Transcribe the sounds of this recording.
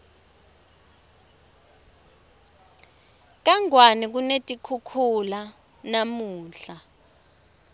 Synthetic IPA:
k̬aŋwanik̬unetʼikʰukʰula | namuːɬa

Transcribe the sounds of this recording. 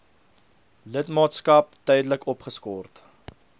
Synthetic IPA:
lətmɑːtskɐp̚tœjdələkɔpχəskɔrt

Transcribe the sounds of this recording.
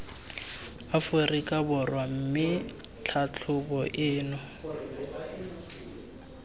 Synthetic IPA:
afʊrikʼabʊrwam̩mɪ | t͡ɬʰat͡ɬʰʊbɔʔɪːnɔ

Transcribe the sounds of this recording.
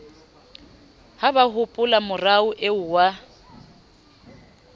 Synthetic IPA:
habahʊpʼʊlamʊraʊʔeʊwa

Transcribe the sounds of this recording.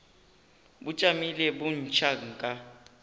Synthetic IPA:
but͡ʃʼamilɛbun̩t͡ʃʰaŋ̩kʼa

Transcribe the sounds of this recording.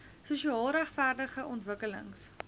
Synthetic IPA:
suʃiɑːlˠɾæχfærdəχəʔɔntvəkələ̰ŋs

